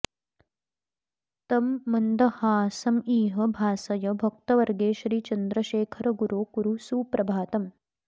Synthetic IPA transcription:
t̪ɐmːɐnd̪ɐhaːsɐmiːɦɐbʱaːsɐjɐbʱɐk̚t̪ɐʋɐɾɡeːʃɾiːt͡ʃɐnd̪ɾɐʃeːkʰɐɾɐɡuɾoːkuɾusuːpɾɐbʱaːt̪ɐm

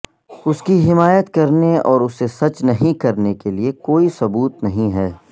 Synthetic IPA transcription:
ʊskiɦɪmaːjət̪kɐɾneɔːɾʊsːesɐt͡ʃnɐɦĩkɐɾnekeliekoːisɐbuːt̪nɐɦĩɦɛː

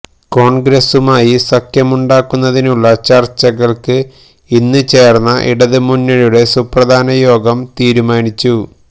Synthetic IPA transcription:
ko̞ːɳɡɾɐsumaːjisɐkjɐmuɳɖaːkːunːɐðinuɭːɐt͡ɕɐrt͡ɕːɐɣɐɭkɨ | inːɨt͡ɕe̞ːrnːɐʔḭɽɐðɨmunːɐɻuɽe̞suprɐd̪ʱaːnɐjo̞ːɡɐmt̪iːɾumaːnit͡ɕːu

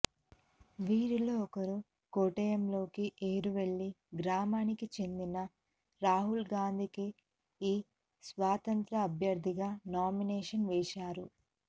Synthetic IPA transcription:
ʋiːɾiloːɔkɐɾu | koːʈɐjɐmlo̞ːkiʔeːɾuʋeɭːiɡɾaːmaːnikit͡ʃe̞nd̪inɐ | ɾaːɦulɡaːnd̪ʱiki | iː | sʋaːt̪ɐnt̪ɾɐːbʱjɐɾd̪ʱiɡaːnaːminɛːʂɐnʋɛːʃaːɾu

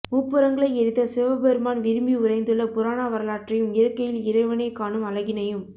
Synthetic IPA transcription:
muːpːɯɾɐŋɡɐɭɐɪɛɾɯt̪ːɐsɪʋɐbɛɾɯmaːnʋɪɾɯmbiʊrɐɪnd̪ɯɭːɐpʊɾaːnaːʋɐɾɐlaːʈrɐjɯmɪɾɐkːɐjɪlɪɾɐɪʋɐnɐɪkːaːnɯmɐlɐɣɪnɐjɯm

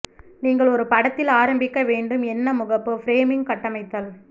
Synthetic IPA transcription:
niːŋɡɐɭɔɾɯpɐɽɐt̪ːɪlaːɾɐmbɪkːɐʋeːɳɖɯmɛnːɐmʊɣɐpːɯfɪɾeːmɪŋɡkɐʈːɐmɐɪt̪ːɐːl

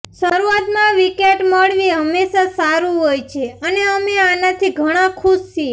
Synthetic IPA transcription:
ʃəɾuat̪mãʋikeʈməɭʋiɦəmːeʃasaɾũɦojt͡ʃʰeəneəmeanat̪ʰiɡʱəɽ̃ãkʰuʃt͡ʃi

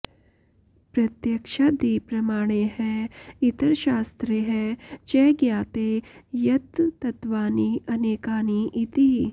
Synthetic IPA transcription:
pɾɐt̪jɐkʃaːd̪iːpɾɐmaːɽ̃eɦɛit̪əɾʃaːst̪ɾeɦɛt͡ʃɛːɡjaːt̪eːjɐt̪ːɐt̪ʋaːniɐneːkaːniʔit̪i

